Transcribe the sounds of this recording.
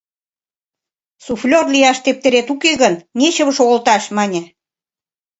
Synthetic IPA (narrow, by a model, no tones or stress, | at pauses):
suflʲorlijɑʃt̪ep̚t̪eɾet̪ukeɣənnʲet͡ɕə̆βə̆ʃoɣə̆lt̪ɑʃmɑnʲĕ